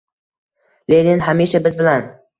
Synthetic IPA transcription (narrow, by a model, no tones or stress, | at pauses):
led̪ɪnɦamiʃabɪzbɪlan